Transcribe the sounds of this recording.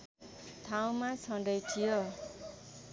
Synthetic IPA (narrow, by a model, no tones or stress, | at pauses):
t̪ʰaw̃mat͡sʰʌɳɖʌjtʰijo